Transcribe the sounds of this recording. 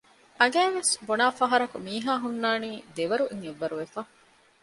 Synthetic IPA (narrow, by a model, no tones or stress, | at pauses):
ʔɐɡæːʋesbonaːfɐɦɐɾɐkumiːɦaːɦunːaːniːd̪eʋɐɾuʔiŋeʋːɐɾuʋefaː